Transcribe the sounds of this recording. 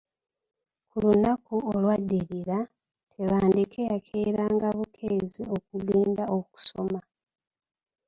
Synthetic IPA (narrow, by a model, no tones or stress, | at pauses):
kulunakuolwadːiɾiɾa | tʰe̞βaːndekejakʰeɾaːŋɡaβukʰeːzio̞kuliːndao̞ku̥so̞ma